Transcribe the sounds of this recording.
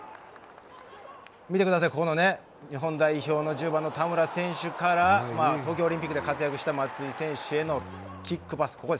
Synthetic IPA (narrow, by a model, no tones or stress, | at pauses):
mʲit̪ekɯd̪as̬aiko̞ko̞no̞ne̞ | ɲiɦõ̞nd̪aiço̞ːno̞ʑɨːbãnːo̞t̪amɯ̟ɾasẽ̞ɰ̃ɕɨkaɾamaːt̪oːkʲoːɾĩmpʲikːɯ̟d̪e̞kat͡sɨjakɯ̟ɕi̥t̪amat͡sɨisẽ̞ɰ̃ɕɯe̞no̞ | kʲikːɯ̟basɨ̥kʰo̞kod̪e